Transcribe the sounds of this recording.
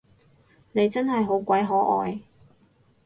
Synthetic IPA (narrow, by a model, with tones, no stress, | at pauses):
ne˨˧jt͡sɐ˥nɦɐ˨jɦo˨˧˥wkʷɐ˨˥jɦɔː˨˥ʔɔː˨j